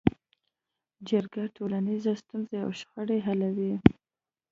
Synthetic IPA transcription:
d͡ʒaɾɡaʈʰolanizast̪unzea̰wʃxəɽeɦalawi

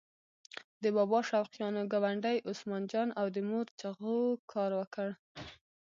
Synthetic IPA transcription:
d̪əbɑbɑʃawqjɑnoɡawaɳɖajʔosmɑnd͡ʒɑnawd̪əmoɾt͡ʃaɣokʰɑɾwəkəɽ

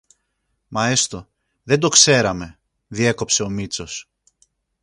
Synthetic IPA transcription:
mɐest̪o̞ | ðe̞nd̪o̞kse̞ɾɐme̞ | ðie̞ko̞pse̞o̞mit͡so̞s

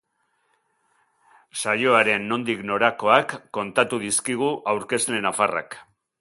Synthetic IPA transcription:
sajo̞aɾe̞nːo̞nd̪ikno̞ɾako̞akːo̞nt̪at̪uðiskiɣ̞uʔawɾke̞sle̞nafara̰k

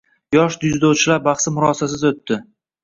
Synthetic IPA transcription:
jɒʃd̪ʊzd̪owt͡ʃʰɪlaɾbaχsɪmʊɾɒsasɪzot̪ːɪ

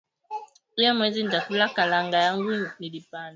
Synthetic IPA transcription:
iamwɛzindafulakalaŋɡajaŋɡunilipana

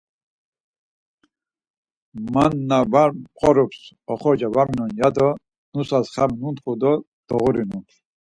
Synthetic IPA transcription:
manːavaqʼɔɾɔps | ɔχɔd͡ʒavamnɔnjad̪ɔ | nusasχabnunt̪χud̪ɔ | d̪̥ɔɣuɾinunt̪

